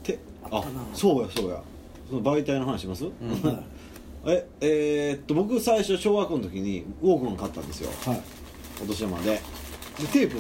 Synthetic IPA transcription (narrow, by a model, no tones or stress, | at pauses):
t̪e | aso̞ːjaso̞ːja̰ | sonobait̪ainoɦanaɕiimasɨ | e̞eːt̪ːobo̞k̬ɯ̟saiɕo̞ɕo̞ːɡakːont̪o̞kʲiɲ̟ioːkɯ̟ãŋkat̪ːã̰nd̪e̞sɨjo̰ | kot̪o̞ɕiɾama̰d̪e | d̪et̪e̞ːpɯ